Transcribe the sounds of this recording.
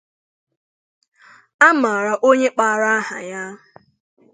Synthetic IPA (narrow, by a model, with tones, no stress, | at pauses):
a˦ma˨ɾa˨ʔo˦ɲe˦k͡pa˨a˨ɾa˦a˦ɦa̰˨ja˦